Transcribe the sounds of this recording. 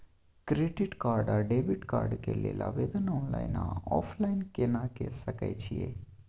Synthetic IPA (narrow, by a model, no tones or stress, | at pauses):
kɾeɖiʈkaːɾɖaɖebiʈka̰ːɾɖkelelʔa̰ʋed̪ənɔːnlaina̰ɔfʰlainkenakesəka̰jt͡ʃʰie